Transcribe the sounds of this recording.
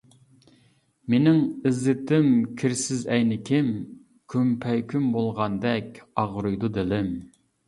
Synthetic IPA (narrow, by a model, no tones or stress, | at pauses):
menɪŋɪzːɪt̪ʰɪmkʲʰiɾsɪzɛjnɪkʲʰɪm | kʲʰympʰɛjkʲymbolˠʁɑnd̪ɛkʲɑʁɾujd̪ud̪ɪlɪm